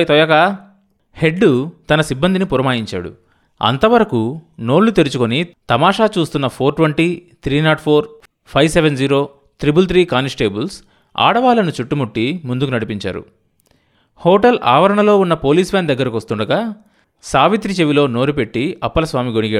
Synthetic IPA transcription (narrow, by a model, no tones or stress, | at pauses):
t̪ɔjɐka | he̞ɖːut̪ɐnɐsibːɐnd̪inipuɾɐmaːjiɲt͡ʃa̰ːɽṵ | ɐ̰nt̪ɐʋɐɾɐkuno̞ːɽlːut̪eɾut͡ʃukonit̪ɐmaːʂaːt͡ʃuːst̪unːɐpʰoːɾʈʋɐɳʈit̪ʰɾiːnaːʈpʰoːɾ | pʰɐjʋseʋend͡ʒiːɾo̞ː | t̪ɾibult̪ɾiːkaːnisʈe̞ːbuls | a̰ːɽɐʋaːlɐnut͡ʃuʈːumuʈːimund̪ukunɐɽipiɲt͡ʃa̰ːɾṵ | hɔːʈɐlʔa̰ːʋɐɾɐɳɐlo̞ːunːɐpo̞ːliːsʋaːnd̪ɐɡːɐɾɐkoɐst̪uɳɖɐɡaː | saːʋit̪ɾit͡ʃeʋilo̞ːno̞ːɾupe̞ʈːiɐpːɐlɐsʋaːmiɡoɳiɡeː